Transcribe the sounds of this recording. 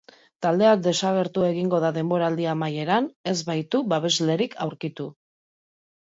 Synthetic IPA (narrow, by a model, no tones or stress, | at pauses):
t̪ald̪e̞ak̚d̪e̞saɣ̞e̞ɾt̪ue̞ɣiŋɡo̞ð̞aðe̞mbo̞ɾaːld̪iamaje̞ɾane̞zβajt̪uβaβe̞zle̞ɾikʰawɾkit̪u